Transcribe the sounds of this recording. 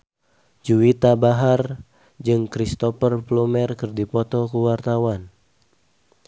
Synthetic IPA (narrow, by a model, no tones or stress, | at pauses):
d͡ʒuit̪abaɦar | d͡ʒɨŋkɾist̪ɔpərplumɛrkɨrdipɔt̪ɔkuwart̪awan